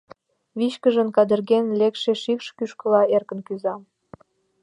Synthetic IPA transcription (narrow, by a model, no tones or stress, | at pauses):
βiɕkəʒə̆nkɑd̪ərɣenlekʃeʃikʃkyʃkə̆lɑerkə̆nkyzɑm